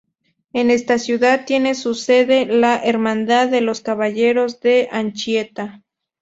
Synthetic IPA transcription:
enest̪asjuðað̚t̪ːje̞ne̞suseðe̞laʔeɾmãnd̪aððelo̞skaβaʝe̞ɾo̞zðeant͡ʃjet̪a

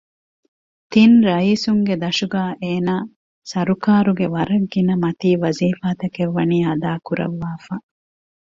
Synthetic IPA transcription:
t̪inɾɐiːsuŋɡed̪ɐʃuɡaːʔeːnaː | sɐɾukaːɾuɡeʋɐɾɐɡːinɐmɐt̪iːʋɐziːfaːt̪ɐkeʋːɐniːɐd̪aːkuɾɐ̰ʋːaːfaː

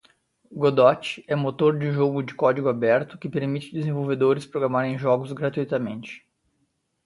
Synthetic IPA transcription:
ɡod̪ɔt͡ʃɪ̥ɛmot̪oɾd͡ʒʊʒoɡʊd͡ʒɪkɔd͡ʒiɡʊabɛɾt̪ʊkɪpeɾmit͡ʃɪd̪ɪzẽvowved̪oɾɪspɾoɡɾamaɾẽj̃ʒɔɡʊzɡɾat̪uit̪amẽnt͡ʃɪ̥

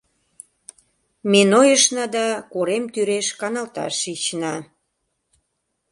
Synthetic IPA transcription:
menojəʃnɑd̪ɑkoɾemt̪yɾeʃkɑnɑlt̪ɑ̰ʃit͡ɕnɑ

